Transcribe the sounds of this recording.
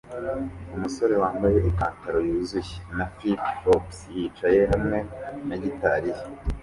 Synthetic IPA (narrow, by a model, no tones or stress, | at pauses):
umuso̞ɾe̞waːmbaje̞ʔikaːntaɾo̞juːzuje̥nafiopsjiːt͡ʃaje̞ɦamŋe̞naɟitaɾije